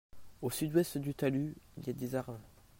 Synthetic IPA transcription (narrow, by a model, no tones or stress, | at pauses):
osyd̪wɛst̪d̪yt̪alyiljad̪ezaʁmɛ̃